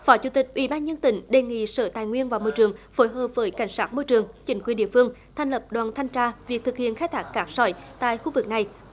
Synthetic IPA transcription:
fɔ˨˦t͡ɕu˧˦t̪ï˨˩k̟̚ʔwḭ˧˩˦ɓaː˧nɲə˧nt̪ï˨˦ŋ̟ɗe˨˩ŋḭ˧˨səː˧˩t̪aː˧˨jŋwi˧ənvaː˨˩wmoː˧jt͡ɕɨ˨˩əŋfo˨˦jɦəː˨˩p̚vəː˨˦jka˧˩jŋ̟saː˦˥t̚mo˧jt͡ɕɨ˨˩əŋt͡ɕï˨˦ŋkwi˨˩ənɗḭ˧˨əfɨ˧əŋt̪ʰɛ˨˩ŋlə˨˩p̚ɗwaː˨˩nt̪ʰa˧jŋ̟t͡ɕaː˧vi˨˩ək̚t̪ʰɨ˨˩k̚hḭ˧˨ənxaː˦jt̪ʰaː˨˦˥k̚kaː˦˥k̚sɔ˧˩jt̪a̰ː˧˨jxu˧vɨ˨˩k̚na˨˩j

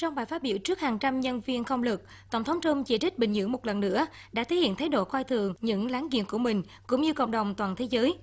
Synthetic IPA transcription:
t͡ɕɔ˧wŋ͡mɓaː˨˩jfa˦˥t̚ɓḭ˧˩əwt͡ɕɨ˦˥ək̚haː˨˩ŋt͡ɕa˧mɲə˧nvi˧ənxə˧wŋ͡mlɨ˨˩k̚ | t̪ə˧˩wŋ͡mt̪ʰə˨˦wŋ͡mt͡ɕə˧mt͡ɕi˧˩t͡ɕï˦˥k̟̚ɓï˨˩ŋ̟ɲɨ̰˧˥əŋmo˨˩t̚lə˨˩nːɨ̰˧˥ə | ɗa̰ː˧˥t̪ʰe˨˦hḭ˧˨nt̪ʰa˨˦jɗo̰˧˨xwaː˧jt̪ʰɨ˨˩əŋɲɨ̰˧˥ŋlaː˨˦ŋkḭ˧˨ənku˧˩əmï˨˩ŋ̟ | kʊ̰˧˥ŋ͡mɲɨ˧kə̰˧˨wŋ͡mɗə˨˩wŋ͡mt̪waː˨˩nt̪ʰe˨˦zəː˨˦j

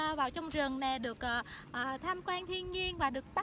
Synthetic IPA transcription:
vaː˨˩wt͡ɕɔ˧wŋ͡mzə˨˩ŋna˨˩ɗɨ˨˩ək̚ʔːʔəː˨˩t̪ʰaː˧mkwaː˧nt̪ʰi˧ənɲi˧ənvaː˨˩ɗɨ˨˩ək̚ɓa˦˥

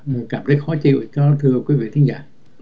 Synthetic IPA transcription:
kaː˧˩mt̪ʰə˨˦jxɔ˨˦t͡ɕḭ˧˨wt͡ɕɔ˧t̪ʰɨ˧əkwi˨˦vḭ˧˨t̪ʰi˨˦ŋza̰ː˧˩

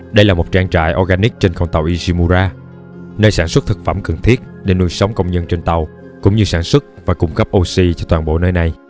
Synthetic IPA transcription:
ɗə˧jlaː˨˩mo˨˩t̚t͡ɕaː˧ŋt͡ɕa̰ː˧˨jʔɔ˧ɣaː˧ni˦˥k̚t͡ɕe˧nxə˧wŋ͡mt̪a˨˩wʔi˧si˧mu˧zaː˧ | nəː˧jsaː˧˩nswə˦˥t̚t̪ʰɨ˨˩k̚fə˧˩mkə˨˩ŋt̪ʰi˦˥ət̚ɗe˧˩nu˧jsə˨˦wŋ͡mkə˧wŋ͡mɲə˧nt͡ɕe˧nt̪a˨˩w | kʊ̰˧˥ŋ͡mɲɨ˧saː˧˩nswə˦˥t̚vaː˨˩kʊ˧˩ŋ͡mkə˦˥p̚ʔo˧si˧t͡ɕɔ˧t̪waː˨˩nɓo̰˧˨nəː˧jna˨˩j

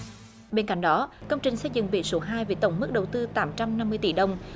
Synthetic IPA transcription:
ɓe˧nka̰˧˨jŋ̟ɗɔ˨˦kə˧wŋ͡mt͡ɕï˨˩ŋ̟sə˧jzɨ̰˧˨ŋɓḭ˧˨so˨˦ɦaː˧jve˨˩˦t̪ə˧˩wŋ͡mmɨ˦˥k̚ɗə˨˩wt̪ɨ˧t̪aː˨˦mt͡ɕa˧mna˧mːɨ˧jt̪ḭ˧˩ɗə˧wŋ͡m

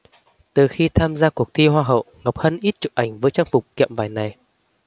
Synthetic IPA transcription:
t̪ɨ˨˩xi˧t̪ʰaː˧mzaː˧ku˨˩ək̚t̪ʰi˧ɦwaː˧ɦə̰˧˨wŋa˨˩wk͡p̚hə˧nʔi˦˥t̚t͡ɕṵ˧˨˩ʔa˨˩jŋ̟vəː˨˦jt͡ɕaː˧ŋfʊ˨˩k͡p̚kḭ˧˨əmvaː˧˩jna˨˩j

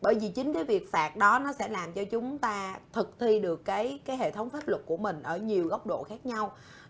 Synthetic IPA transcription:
ɓəː˧˩jvi˨˩t͡ɕï˨˦ŋ̟kaː˨˦jvi˨˩ək̚faː˨˩t̚ɗɔ˨˦nɔ˨˦sɛ̰˧˥laː˨˩mt͡ɕɔ˧t͡ɕʊ˨˦ŋ͡mt̪aː˧t̪ʰɨ˨˩k̚t̪ʰi˧ɗɨ˨˩əkːaː˨˦jkaː˨˦jɦḛ˧˨t̪ʰə˨˦wŋ͡mfaː˦˥p̚lə˨˩ku˧˩əmï˨˩ŋ̟ʔəː˧˩ɲi˨˩əwɣə˦˥wk͡p̚ɗo̰˧˨xaː˦˥k̚ɲa˧w

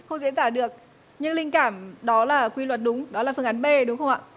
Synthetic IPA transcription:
xə˧wŋ͡mzḭ˧˥nt̪aː˧˩ɗɨ˨˩ək̚ | ɲɨ˧ŋlï˧ŋ̟kaː˧˩mɗɔ˨˦laː˨˩kwi˧lwə˨˩t̚ɗʊ˨˦ŋ͡mɗɔ˨˦laː˨˩fɨ˧əʔa˨˦nɓe˧ɗʊ˨˦ŋ͡mxə˧wŋ͡mʔa̰ː˧˨

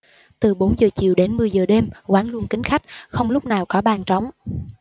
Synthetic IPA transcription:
t̪ɨ˨˩ɓo˨˦nzəː˨˩t͡ɕi˨əwɗe˨˦nmɨ˨˩əjzəː˨˩ɗe˧mkwaː˨˦nlu˧ənkï˨˦ŋ̟xa˦˥jk̟̚xə˧wŋ͡mlʊ˦˥k͡p̚naː˨˩wkɔ˨˦ɓaː˨˩nt͡ɕɔ˨˦wŋ͡m

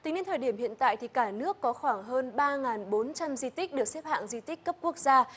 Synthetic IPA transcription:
t̪i˨˦ŋɲi˧nt̪ʰəː˨˩jɗi˧˩əmhḭ˧˨ənt̪a̰ː˧˨jt̪ʰi˨˩kaː˧˩nɨ˦˥əkːɔ˨˦xwaː˧˩ŋɦəː˧nɓaː˧ŋaː˨˩nɓo˨˦nt͡ɕa˧mzi˧t̪ï˦˥k̚ɗɨ˨˩ək̚sɛ˦˥p̚ha̰ː˧˨ŋzi˧t̪ï˦˥k̟kə˦˥p̚ku˦˥ək̚zaː˧

